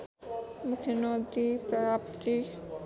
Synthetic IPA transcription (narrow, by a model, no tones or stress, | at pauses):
mukʰenod̪ipɾaapt̪i